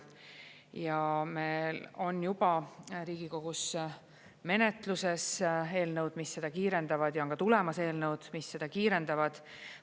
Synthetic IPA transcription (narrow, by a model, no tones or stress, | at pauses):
jɑme̞lo̞njub̥ɑɾiːɡ̥iko̞ɡ̥us | me̞net̪luse̞se̞ːlnɤwd̪misːe̞d̪̥ɑkiːɾe̞nd̪ɑvɑd̪̥jɑoŋkɑt̪ule̞mɑse̞ːlnəwd̪̥misːe̞d̪̥ɑkiːɾe̞nd̪̥ɑvɑd̪̥